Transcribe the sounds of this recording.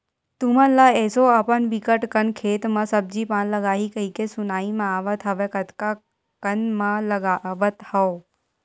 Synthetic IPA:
t̪umə̃nlaɛːsoɐpənʋikəʈkənkʰeːt̪mãsəb̚d͡ʒipãːnləɡaːikəikesʊnaːimãaːʋət̪ɦɐʋekət̪ka | kənmãləɡaʋət̪hɐ

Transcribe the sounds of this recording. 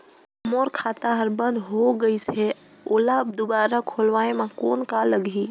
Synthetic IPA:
moːɾkʰaːt̪aɦəɾbə̃nd̪ɦoɡəise | oːlabd̪ʊbaːɾakʰoːlʋaːemãkoːnkaːlːəɡʱiː

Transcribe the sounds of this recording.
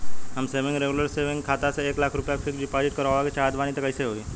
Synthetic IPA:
ɦəmseʋɪ̃ŋɡɾeɡuləɾseʋɪ̃ŋɡkʰaːt̪aseeːklaːkʰɾʊpjakfʰikɖipaːd͡ʒɪʈ̚kəɾʋaket͡ʃaːd̪ʋaːnit̪ɐkəɪseɦoːiː

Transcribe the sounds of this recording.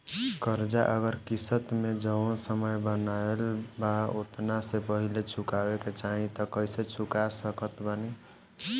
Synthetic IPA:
kəɾd͡ʒaʔəɡəɾkisət̪med͡ʒənsəməjbənaelbaot̪nasepəɦilet͡ʃʰukabeket͡ʃaɦĩt̪ɔkəjset͡ʃʰukasəkət̪bəni

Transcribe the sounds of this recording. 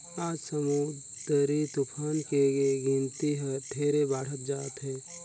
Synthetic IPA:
aːd͡ʒsəmu | d̪̥əɾit̪ʊpʰaːnkeɡeɡint̪iɦəʈ̪ʰeːɾebaːɽ̤ət̪̚d͡ʒaːt̪ɦɛː

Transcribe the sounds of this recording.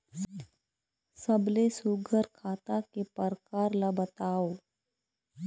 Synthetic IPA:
səblesuɡʱəɾkʰaːt̪akepəɾkaːɾlabət̪aːoː

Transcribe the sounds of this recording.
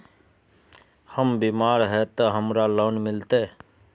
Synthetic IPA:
həmbiːmaːɾɦɛt̪əɦəmɾaləːnmɪlt̪e

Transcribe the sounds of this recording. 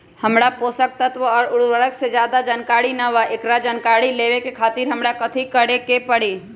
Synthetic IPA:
hɐmɽapoːsək̚t̪ət̪ʋəɔːɾʊɽʋəɾəksed͡ʒjaːd̪ad͡ʒankaːɽinaʋaʔekɾad͡ʒənkaːɽileːʋekekʰaːt̪iːɾɦɐmɽakɐt̪ʰikəɽekepɐɽiː

